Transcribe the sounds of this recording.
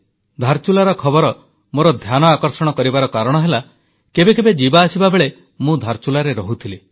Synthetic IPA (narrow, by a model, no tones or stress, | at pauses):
d̪ʱaɾt͡ʃulaɾɔkʰɔbɔɾɔ | moɾɔd̪ʱjanɔakɔɾsɔɽ̃ɔkɔɾibaɾɔkaɾɔɽ̃ɔɦela | kebekebed͡ʒibaːsibabeɭe | mũd̪ʱaɾt͡ʃulaɾeɾɔɦut̪ʰile